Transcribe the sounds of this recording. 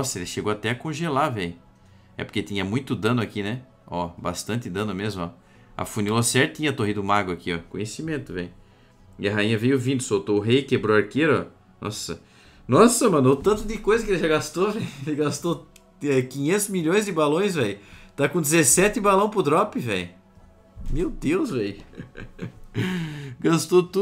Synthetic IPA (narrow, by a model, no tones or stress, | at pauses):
nɔsɐelɪʃeɡoat̪ɛɐkõʒelavɛjʊ | ɛpoɾket̪ĩɲɐmũj̃t̪ʊd̪ɐ̃nʊakinɛ | ɔba̰st̪ɐ̃nt̪ɪd̪ɐ̃nʊmezmʊɔ | ɐ̰funilosɛɾt̪ĩɲɐt̪oɦid̪ʊmaɡakiɔkõɲesimẽnt̪ʊvḛ̃jʊ | iɐɦaĩɲɐvejʊvĩd̪ʊsowt̪oʊɦejkebɾoaɾkeɾɔ̰ | nɔ̰sɐ̰ | nɔsɐmɐ̃not̪ɐ̃nt̪ʊd̪ɪkojzɐkɪelɪʒaɡast̪ovɛjʊelɪɡast̪o | ɛkĩɲẽnt̪ʊzmiʎõj̃zd̪ɪbalõj̃svɛjʊt̪akõd̪ɪzesɛt̪ɪbalɐ̃w̃pɾʊd̪ɾɔpɪvɛjʊ | mewd̪ewzvɛjʊ | ɡast̪ot̪u